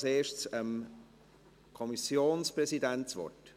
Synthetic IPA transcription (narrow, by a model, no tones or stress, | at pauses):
seːʃtsəm | kʰɔmisjoːnspɾɛsidɛnt͡svɔ̰t